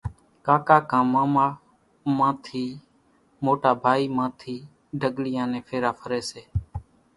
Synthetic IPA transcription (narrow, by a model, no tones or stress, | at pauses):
kaːkaːkãːmãːmaː | mãːt̪ʰiː | moːʈaːbʱaːiːmãːt̪ʰiː | ɖʱəɡlɪjãːnẽːpʰeːɾaːpʰəɾeːseː